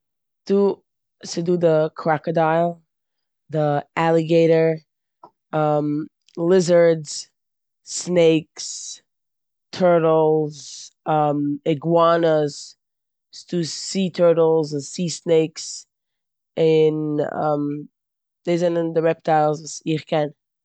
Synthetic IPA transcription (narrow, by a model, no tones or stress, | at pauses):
d̥ə | sɨdɨðəkʰɹ̥ækɨdaɪlˠ | ðiʔælˠəɡeɪɾə˞ | ʌ̃m | lɪzə˞dz̥ | neɪks | tʰɜ˞ɾl̩ˠzəmɪɡwanəz | stuːitʰɜ˞ɾl̩ˠzʊsiːsneɪks | ɪnə̰m | d̥eɪzɛnəndəɹɛp̚tʰaɪlˠzvusɪχkʰɛn